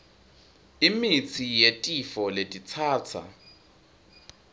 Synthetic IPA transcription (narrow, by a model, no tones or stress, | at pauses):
imit͡sʰijetʼifɔletʼit͡sʰaːt͡sʰa̰